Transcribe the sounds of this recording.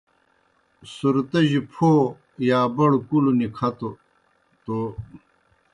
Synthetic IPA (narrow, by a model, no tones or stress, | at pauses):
suɾt̪ɐʑipʰoː | jaːbɐɽkulunikʰɐt̪o | t̪o